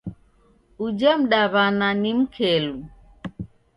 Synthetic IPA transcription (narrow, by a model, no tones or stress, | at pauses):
ud͡ʒam̩ɗaβananim̩kʰɛlu